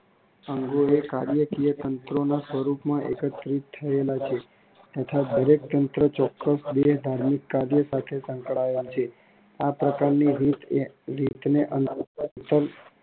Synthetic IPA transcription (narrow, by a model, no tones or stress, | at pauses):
əŋɡoekaɾjəkijət̪ənt̪ɾonasʋəɾupmãʔekət̪ɾit̪ʰːəelat͡ʃʰe | t̪ət̪ʰad̪əɾek̚t̪ənt̪ɾət͡ʃɔkːəsd̪eʃd̪ʱaɾmikːaɾjəsat̪ʰesə̃ŋkɭaelt͡ʃʰe | apɾəkaɾniɾit̪ɾit̪neʔənt̪əɾ